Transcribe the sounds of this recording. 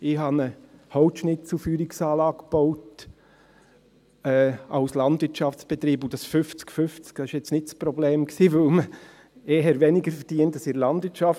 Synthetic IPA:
ɪhɑnəhɔʊtʃnɪtt͡sufyːɾɪksɑːlɑːɡb̥oʊt | ɛːaʊslɑndvɪtt͡ʃɑft͡sb̥et̪ɾiːbʊd̥ɑsfʏft͡skfʏft͡skd̥ɑsɪʃjɛt͡snɪtspɾɔbleːmksiːvɵlmə | eːɦəɾvɛnɪɡəɾfəɾd̥iəntɑsɪɾlɑnd̥vɪɾtt͡ʃʃɑf

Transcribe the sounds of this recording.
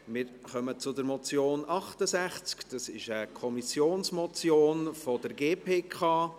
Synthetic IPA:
mɪɾ | χœmət͡sʊdəɾmɔt͡sjoːnɑχtəsæχt͡skd̥ɑsɪʃəkʰɔmisjoːnsmɔt͡sjoːnfod̥əɾɡeːpʰeːkʰɑː

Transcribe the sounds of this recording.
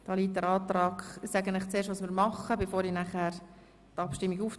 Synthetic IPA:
d̥ɑːliːt̚dɛɾɑːt̪rɑːɡsɛɡənɪχt͡seːʃtʋɑːsmiːɾmɑχəbefoːɾinæχɛːɾ | tɑpʃtɪmːiɡuːf

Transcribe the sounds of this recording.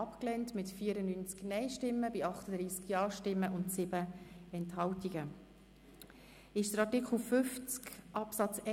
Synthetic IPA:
ɑpklɛntmɪtfiːəɾənynt͡sknɛɪʃtɪmːəbɪɑχtəd̥ɾiːskjɑːʃtɪmːəʔʊntsɪb̥əɛnthɑltiɡə | ɪʃd̥əɾɑtikχl̩fʏft͡skʔɑpsɑt͡sɛ

